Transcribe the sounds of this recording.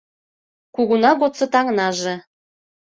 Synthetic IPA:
kuɣunɑɣot̪t͡sɤ̆t̪ɑŋnɑʒĕ

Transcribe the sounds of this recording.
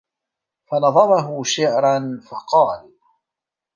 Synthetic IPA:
fanɑðˤɑɾˤɑɦʊʃɪʕɾanfɑqɑːl

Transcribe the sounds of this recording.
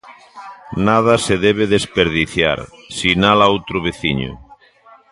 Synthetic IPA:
nað̞aseðeβ̞eðespeɾðiθja̰ɾsinalaowt̪ɾoβ̞eθiɲo̰

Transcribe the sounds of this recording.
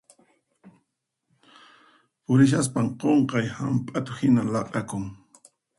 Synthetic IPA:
pʊɾɪʃ̬as̬paɴqoɴqɑjhampʼat̪ʊhɪnalɑqʼakʊŋ

